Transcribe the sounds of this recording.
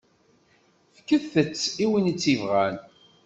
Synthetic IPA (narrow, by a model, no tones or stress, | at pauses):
fkəθːət͡sːiwinit͡sːivʁæn